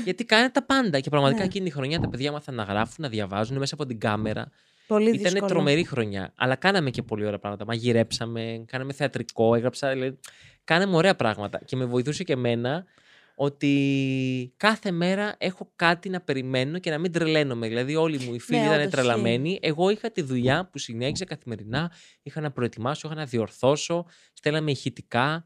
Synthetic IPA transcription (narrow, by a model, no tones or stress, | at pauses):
ʝɐt̪ikɐnet̪ɐpɐnd̪ɐce̞pɾɐɣmɐt̪ikɐecinit̪ixɾo̞ɲɐt̪ɐpe̞ðʝɐmɐsɐnɐɣɾɐfunːɐðʝɐvɐzuneme̞sɐːpo̞t̪iɡɐmeɾɐ̰ | poliit̪ɐnet̪ɾo̞me̞ɾixɾo̞ɲɐ̰ɐ̰lɐkɐnɐme̞ce̞po̞lioɾeɐpɾɐ̰ɣmɐt̪ɐmɐʝiɾe̞psɐme̞kɐnɐme̞θe̞ɐt̪ɾiko̞eɣɾɐpsɐðilɐði | kɐnemuo̞ɾe̞ɐpɾɐɣmɐt̪ɐ̰ce̞me̞vo̞iθuse̞ce̞me̞nɐ | o̞t̪i | kɐθe̞me̞ɾɐʔe̞xo̞kɐt̪inɐpe̞ɾime̞no̞ce̞nɐmind̪ɾele̞no̞me̞ðilɐðio̞limuifiliit̪ɐnet̪ɾelɐme̞niʔe̞ɣo̞ixɐt̪iðuʎɐpusine̞çisɐkɐθime̞ɾinɐ | ixɐnɐpɾo̞et̪imɐsoixɐnɐðio̞ɾθo̞so̞ | st̪e̞lɐme̞çit̪i̥kɐ